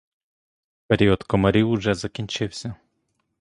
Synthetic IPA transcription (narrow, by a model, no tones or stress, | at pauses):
pɛɾʲiɔt̪kɔmɐɾʲiuʐɛzakʲinʲt͡ʃɪwsʲa